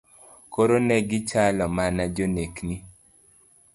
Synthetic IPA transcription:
koɾonɛɡɪt͡ʃalɔmanad͡ʒonekni

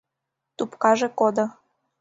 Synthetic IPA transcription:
t̪upkɑʒekod̪ŏ

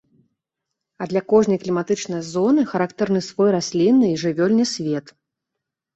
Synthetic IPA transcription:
ɐd̪lʲakɔʐnɐjklʲimat̪ɨt͡ʂnɐjɐzɔnɨxɐɾakt̪ɛrnɨsvɔjrasʲlʲinːɨiʐɨvʲɔlʲnʲɨsʲvʲeɛt̪

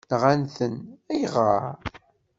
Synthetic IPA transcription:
nʁanθənæjʁəɾ

